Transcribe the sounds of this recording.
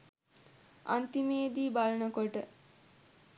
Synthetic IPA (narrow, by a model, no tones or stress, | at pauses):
a̰nt̪imeːd̪iːbalənəkoʈə